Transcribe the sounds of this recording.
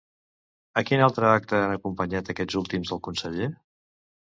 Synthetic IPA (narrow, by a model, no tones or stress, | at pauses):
əkinalˠt̪ɾəak̚t̪əanəkumpəɲat̪əkɛd͡zulˠt̪imzðəlˠkunsəʎe